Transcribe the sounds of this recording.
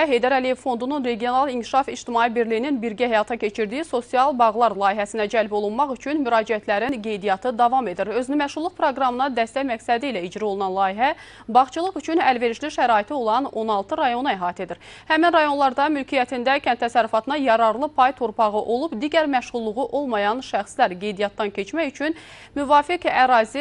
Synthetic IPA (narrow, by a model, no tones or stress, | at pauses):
ɦe̞jd̪æɾælije̞v̥fo̞nd̪ununɾe̞ɡijo̞nɑlˠincʰi̥ʃɑfid͡ʒt̪imɑːibiɾlijininbiɾɟæɦæjɑt̪ʰɑcʰe̞t͡ʃʰiɾd̪ijiso̞siɑlˠbɑʁlˠɑɾlˠɑːjiɦæsinæd͡ʒælbo̞lˠunmɑχyt͡ʃʰynmyɾɑːd͡ʒiæt̪ʰlæɾinɡe̞jd̪ijɑt̪ʰɯd̪ɑvɑme̞d̪iɾø̞zynymæʃʁulˠːuχpʰɾoɡɾɑmɯnɑd̪æst̪æcmæksæd̪iilæid͡ʒɾio̞lˠunɑnlˠɑːiɦæ | bɑχt͡ʃʰɯlˠɯʁyt͡ʃʰynælve̞ɾiʃliʃæɾɑːit̪ʰio̞lˠɑno̞nɑlˠt̪ʰɯɾɑjo̞nuæɦɑːt̪ʰe̞d̪iɾhæminɾɑjo̞nlˠɑɾd̪ɑmylcʰijæt̪ʰind̪æcʰænt̪ːʰæsæɾːyfɑt̪ʰɯnɑjɑɾɑɾlˠɯpʰɑjt̪ʰoɾpʰɑʁɯʔo̞lˠubd̪iɟæɾmæʃʁulˠːuʁuʔo̞lˠmɑjɑnʃæxslæɾɡe̞jd̪ijɑt̪̚ːɑncʰe̞t͡ʃmæçyt͡ʃʰyn | myvɑːfikæɾɑːzi